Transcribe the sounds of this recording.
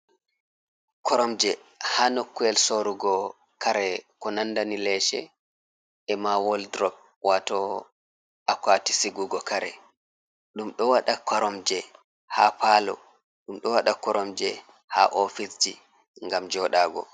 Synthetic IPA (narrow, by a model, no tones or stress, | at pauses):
kʰɔɾɔmd͡ʒɛhaːnokːuɛlsoɾuɡɔ | kaɾɛkɔnandanilɛʃɛ̰ | ɛmawɔldɾɔp̚ | wʔatɔ | akwati̥siɡuɡɔkaɾɛ̰ | ɗumɗɔwaɗakʰɔɾɔmd͡ʒɛ | hapaːlɔ̰ | ɗumɗɔwaɗakɔɾɔmd͡ʒɛ | ha̰ʔofisd͡ʒi | ŋɡamd͡ʒɔɗaɡɔ̰